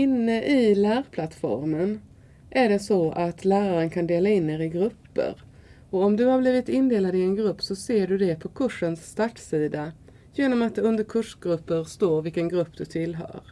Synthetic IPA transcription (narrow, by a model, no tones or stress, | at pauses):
ɪnːəʔɪlæːɾpʰlat̪fɔ̰ɾmən | ʔæɖɛsɔʔat̪læːɾaɾənkʰand̪eːlaɪnːeːɾɪɡɾɵpːə̰ɾ | ɔɔmd̪ɵhabliːvɪt̪ɪnd̪eːlad̪ɪɛnɡɾɵpːsɔseːɖɵd̪ɛpʰɔkʰɵʂənsːt̪aʈsiːd̪a | jeːnɔmat̪̚d̪ɛɵnd̪əɾkʰɵʂɡɾɵpːəɾst̪oːɾvɪlkənɡɾɵpːd̪ɵt̪ʰɪlɦœ̰ːɾ